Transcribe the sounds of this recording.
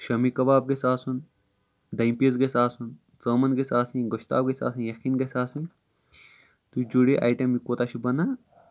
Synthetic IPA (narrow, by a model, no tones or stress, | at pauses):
ʃɐmikɐbaːb̚ɡesaːsun | d̪ɐimpiezɡesaːsun | t͡səːmɐnɡesaːsʰĩɡɐʃt̪a̰ːbɡesa̰ːsʰinjɐkiːnɡesaːsĩ | t̪ud͡ʒuɽeʔa̰ːjʈɐmikot̪at͡ʃʰibɐnaː